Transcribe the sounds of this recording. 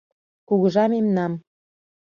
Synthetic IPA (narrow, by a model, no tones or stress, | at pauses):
kuɣə̆ʒɑmemnɑm